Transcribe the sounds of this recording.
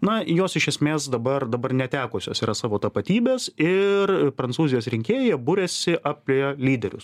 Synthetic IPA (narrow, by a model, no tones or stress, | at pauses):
nɐjoːsɪʃʲɛsʲmʲeːsd̪ɐbɐrd̪ɐbɐrnʲɛt̪ʲæːkoːsʲoːsiːɾɐsɑːʋoːt̪ɐpɐt̪ʲiːbʲeːsɪrpɾɐnsuːzʲɪjoːsɾʲɪŋʲkʲeːjɛbʊɾʲeːsʲɪʔɑpʲlʲeolʲiːd̪ʲɛɾʲʊ̰s